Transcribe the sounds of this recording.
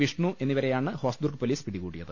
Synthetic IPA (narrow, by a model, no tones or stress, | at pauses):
ʋiʂɳuʔe̞nːiʋɐɾejaːɳɨho̞ːsd̪urkɨpoliːspiɽikuːɽijɐðɨ